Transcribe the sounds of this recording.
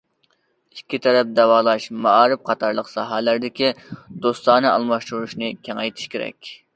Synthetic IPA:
i̥kʲːit̪ʰɛɾɛp̚d̪ɛwɑːlˠɑʃmɑɑːɾɨp̚qʰɑt̪ʰɑɾlˠəqsɑɦælæɾd̪ɪkʲid̪̥ost̪ɑːnɨʔɑ̰lˠmɑʃt̪uɾuʃnɨkʲʰɛŋɛjt̪ʰi̥ʃkʲeɾɛ̰kʲ

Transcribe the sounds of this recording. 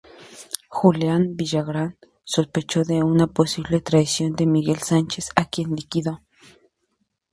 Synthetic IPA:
xulanbiʒaɣɾan | sospet͡ʃoðeunaposiβlet̪ɾaðisjond̪emiɣelsant͡ʃesakjenlikiðo

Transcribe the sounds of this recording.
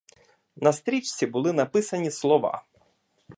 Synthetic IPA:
nɐst̪ɾʲit͡ʃt͡sʲibʊlˠɪnɐpɪsɐnʲislˠɔʋɑ̰

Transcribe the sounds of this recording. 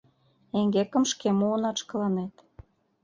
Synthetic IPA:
eŋɡekə̆mʃkemuənɑt͡ʃkə̆lɑnet̪

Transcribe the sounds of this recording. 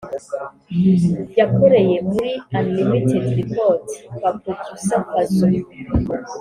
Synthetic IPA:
jakʰoɾejemuɾianlimitʰedɾipɔtwap̚utʰusapatu

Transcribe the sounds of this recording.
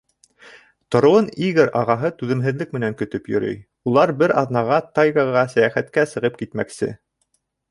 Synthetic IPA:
t̪ŏɾŏwɤniɡɘɾɑʁɑɦɤt̪ʉðɘ̆mɦɘ̆ðlɘk̚mɘ̆næŋkɵ̆t̪ɵpjɵ̆ɾɵ̰j | ulˠɑɾbɘɾɑ̰ðnɑʁɑt̪ɑjɣɑʁɑsæjæχæt̪kæsɤ̆ʁɤp̚kit̪mæksɘ̰

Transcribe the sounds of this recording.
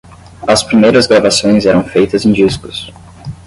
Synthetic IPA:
ɐspɾimejɾɐzɡɾavasõj̃zɛɾɐ̃w̃fejt̪ɐzẽj̃d͡ʒiskʊ̥s

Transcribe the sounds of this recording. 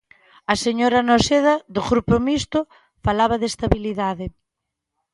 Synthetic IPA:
ɐseɲoɾanoseðɐðʊɣɾupomist̪ʊ | falaβ̞ɐðest̪aβiliðaðɪ

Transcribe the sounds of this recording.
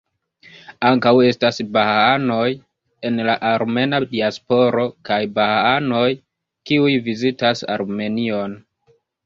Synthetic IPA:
aŋkawe̞stasbahaano̞j | e̞nlaʔaɾme̞nadiaspo̞ɾo̞kajbahaano̞j | kiujvizitasa̰ɾme̞nio̞n

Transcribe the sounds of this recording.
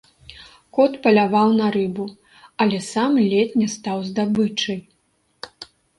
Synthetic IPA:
kɔt̪pɐlʲavawnɐɾɨbu | ɐlʲɛsamlʲɛt̪ʲnʲɛst̪awzd̪abɨt͡ʂɨj

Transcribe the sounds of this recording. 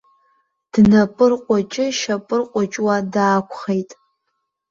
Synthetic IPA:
d̥nɐpʼɨrqʷʼɔt͡ʃʼɪʃɐpʼɨrqʷʼɔt͡ʃʼwadaːkʷʰʼχejtʼ

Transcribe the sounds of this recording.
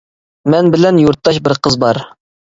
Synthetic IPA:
mɛnbɪlɛnjuɾt̪ʰːɑʃbɪɾqʰəzbɑɾ

